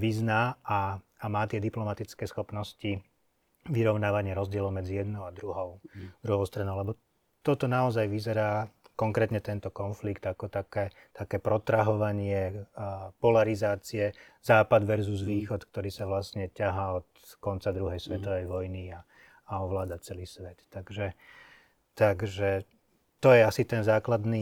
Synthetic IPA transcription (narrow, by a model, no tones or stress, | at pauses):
ʋiznaːaːmaːt̪ɪɛd̪iplɔmat̪it͡skɛːsxɔpnɔsci | ʋiɾɔʊnaːʋaɲɪɛɾɔzɟɪɛlɔʊmɛd͡zijɛd̪nɔʊad̪ɾuɦɔʊd̪ɾuɦɔʊst̪ɾanɔʊlɛbɔ | t̪ɔt̪ɔnaɔzajʋizɛɾaːkɔŋkɾɛːt̪ɲɛt̪ɛnt̪ɔkɔnflikt̪akɔt̪akɛː | t̪akɛːpɾɔt̪ɾaɦɔʋaɲɪɛ | pɔlaɾizaːt͡siɛ | z̥aːpad̪ʋɛɾzuzʋiːxɔt̪k̚t̪ɔɾiːsaʋlast̪ɲɛcaɦaɔt̪ | kɔnt͡sad̪ɾuɦɛjsʋɛt̪ɔʋɛjʋɔjniaː | ɔʋlaːd̪at͡sɛliːsʋɛt̪ːaɡʒɛ | t̪aɡʒɛ | t̪ɔjɛasit̪ɛnzaːklad̪ni